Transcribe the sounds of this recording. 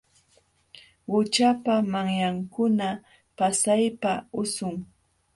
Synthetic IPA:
ɢʊt͡ʃapamaŋjaŋkʊna | pasajpaʊsʊŋ

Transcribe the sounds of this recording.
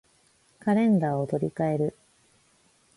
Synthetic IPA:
kaɾẽ̞nd̪aːot̪o̞ɾʲikae̞ɾɯ̟

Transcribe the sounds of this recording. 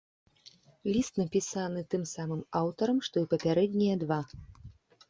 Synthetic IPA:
lʲist̪nɐpʲisanɨt̪ɨmsamɨmawt̪ɐɾɐmʂt̪ɔipɐpʲaɾɛd̪ʲnʲijɐd̪va

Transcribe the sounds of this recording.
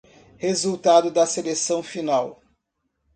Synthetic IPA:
hezuwt̪ad̪ʊd̪ɐselesɐ̃w̃finaw

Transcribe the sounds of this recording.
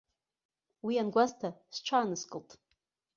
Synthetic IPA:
wianɡʷaztʰast͡ʃʷʰaːnɨskʼɨltʼ

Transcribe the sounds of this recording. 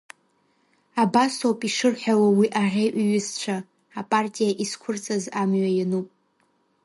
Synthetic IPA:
abasowpʼiʂɨrħʷᶣawawiʔaʕʲejʔʷɥɪzt͡ʃʷʰaː | pʼartʼijaʔiskʷʰʊrt͡sʼazamɥajanupʼ

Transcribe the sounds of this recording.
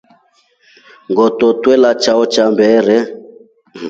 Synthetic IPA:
ŋɡɔt̪ɔt̪wɛlat͡ʃaɔt͡ʃambɛɾɛ

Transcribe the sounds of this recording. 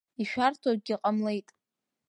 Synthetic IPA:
iʃᶣartʰaɡʲiqʼamle̞jtʼ

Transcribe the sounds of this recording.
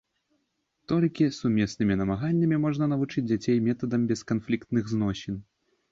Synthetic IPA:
t̪ɔlʲkʲisumʲɛsnɨmʲinɐmaɣanʲːɐmʲimɔʐnɐnɐvut͡ʂɨd͡zʲd͡zʲat͡sʲejmʲɛt̪ɐd̪ɐmbʲɛskanflʲikt̪nɨɣznɔɕʲin

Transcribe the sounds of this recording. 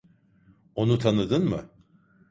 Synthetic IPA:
o̞nut̪ʰanɯd̪ɯnmɯ

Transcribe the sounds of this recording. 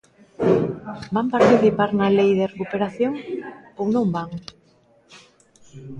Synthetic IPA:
bampaɾt̪iθipaɾnalejðerekupeɾaθjoŋownõmbaŋ

